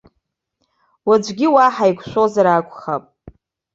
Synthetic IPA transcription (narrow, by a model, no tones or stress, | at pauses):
wad͡ʒʷɡʲiwaħajkʷʰʼʃʷozaɾaːkʷʰʼχapʼ